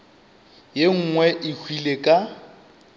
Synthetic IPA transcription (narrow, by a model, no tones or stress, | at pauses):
jeŋ̩ŋwɛʔɪhʰwilekʼa